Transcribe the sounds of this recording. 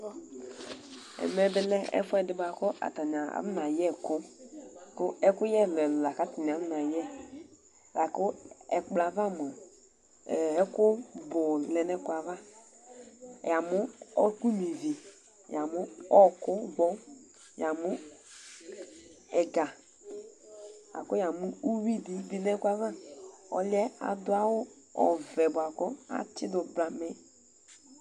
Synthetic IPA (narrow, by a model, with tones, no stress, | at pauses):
ɛ̰˨mɛ˦bɛ˦lɛ˦ɛ̰˦fɛ˦dɪ˦ba˨kʊ˦ʔa̰˨ta˨n˨a˨a̰˦m˦na˨jɛ˦˨kʊ˦kʊ˦ɛ˦kʊ˦jɛ˦˨lɛ˨lla˨ka˦ti˨n˨a˨˦m˦na˨jɛ˦˨ | la˨kʊ˦ɛ˨k͡pla˨va˦˨m˨a˨ | ɛ˦kʊ˦bʊ˨lɛ˨nɛ˦ka˨va˦˨ | ja˨mʊ˦ɔ˦ku˦mi˨vi˨ | ja˨mʊ˦ɔ˦kʊ˦ɡɔ˦ | ja˨mʊ˦ | ɛ˨ɡa˨ | a̰˨kʊ˦ja˨mʊ˦u˦wi˦di˨˦bi˦nɛ˦kwa˨va˦ɔ˨li˦ɛ˦a̰˨dʊ˦a˦wʊ˦ | ɔ̰˨vɛ˨bʊ˨a˨kɔ˦a̰˨t͡ʃɪ˦dʊ˨bla˨mɛ˦